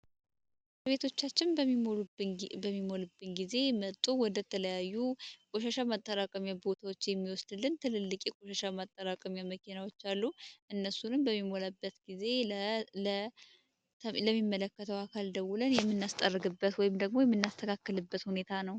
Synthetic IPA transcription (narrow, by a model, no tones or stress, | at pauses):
βe̞t̪ʰo̞t͡ʃːat͡ʃːɪniolubəmːimo̞lɨbːɨnɡize̞mət̪ʼːuwɔd̪ət̪ʰələjajːukʼoʃaʃamat̪ʼːəɾakʼəmjabo̞t̪ʰawot͡ʃːjɛmːiwɔsd̪ɨlːɨnt̪ʰɨlɨlːɨkʼekʼoʃaʃamat̪ʼːəɾakʼəmjaməkʰinawo̞t͡ʃːalːuʔɨnːəsunɨnbəmːimo̞labːət̪ɡize̞ | ləmːimːələkːət̪ʰəwakʰald̪əwulənjɛmːɨnːast̪ʼərːɨɡɨbːət̪wɔjɪmd̪əɡ̚mo̞jɛmːɨnːast̪ʰəkʰakːɨlɨbːət̪hune̞t̪ʰanəw